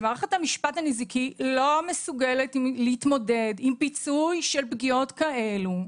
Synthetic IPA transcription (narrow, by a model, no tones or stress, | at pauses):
maːʁeχethamiʃpathanizikilo̞mesuɡeletimleitmo̞de̞dimpit͡sujʃelbɡio̞tkaʔe̞lu